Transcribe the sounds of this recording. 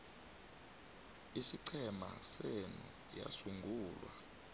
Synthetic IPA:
isiǀʰɛmasenu | ja̰suŋɡʱuːlwa

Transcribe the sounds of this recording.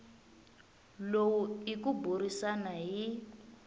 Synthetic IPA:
lowuikuburisanaɦi

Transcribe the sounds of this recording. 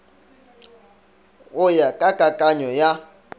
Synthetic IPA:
ʊjakʼakʼakʼaɲɔja

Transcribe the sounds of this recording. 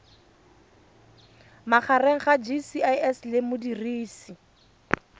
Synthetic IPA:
maχareŋ̩χad͡ʒisiaɛslɪmʊdiriːsi

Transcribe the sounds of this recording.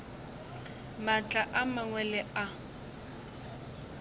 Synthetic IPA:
mat͡ɬʼaʔamaŋwɛlɛa

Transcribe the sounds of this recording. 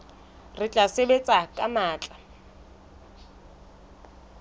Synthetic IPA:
rɪt͡ɬʼasebet͡sʼakʼamaːt͡ɬʼa

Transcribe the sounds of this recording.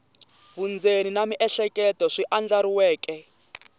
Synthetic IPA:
βund͡zeninamiʔɛɬɛkʼɛtɔʂiʔand͡ɮaɾiwɛːkʼɛ

